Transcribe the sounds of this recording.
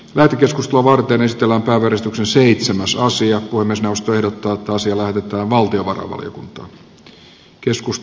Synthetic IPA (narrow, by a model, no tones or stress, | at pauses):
læht̪ekeskust̪eloɑʋɑrt̪eːnesit̪elːæːmpæːʋeæɾest̪yksenseit̪semæsɑsiɑpuhemːiesnewost̪oe̞hdot̪ːɑːet̪ːæɑsiɑlæhet̪et̪æːʋʋɑlt̪ioʋɑ̰rɑ̰ʋɑ̰ljo̰kunt̪ɑ̰ | keskus